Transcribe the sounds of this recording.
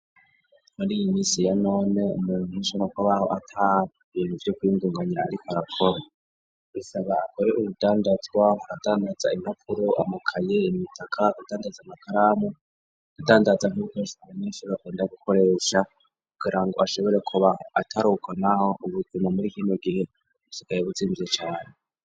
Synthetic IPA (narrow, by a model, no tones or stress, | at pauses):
muɾijimiːsijano̞ːne̞ṵmuːnuiʃoɾakwaβaho̞̰ʔatʰa | iːnuvjokwiːŋɡuːŋɡaɲaːɾikoaɾakʰoɾa | isaβaakʰoɾe̞ʔuβudaːndad͡zɡwaɦaɾadaːndad͡zaimapʰuɾoʔa̰makʰajeimitʰakʰaɡad̥aːndad͡zamakaɾaːmu | adadaːndazaŋuβukeʃaameʃoakeːndaɡuko̞ɾeʃa | kuɡiɾaŋɡo̞̰aʃo̞βo̞ɾe̞kʰuβaatʰaɾukwanahoʔuβuɡumamuɾiːkiːnoɡihe̞ | usikajeβut͡siːmbiet͡ʃaːne